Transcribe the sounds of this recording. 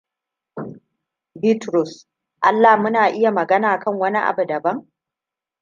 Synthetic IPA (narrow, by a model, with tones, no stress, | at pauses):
bi˦tɾʊ˨s | ʔa˦lːa˨mʊ˦naː˨ʔɪ˦ja˨mɐ˨ɡɐ˦naː˨kɐ˦˨ŋwɐ˦ni˦ʔa̰˨bu˨dɐ˨bɐ˦ŋ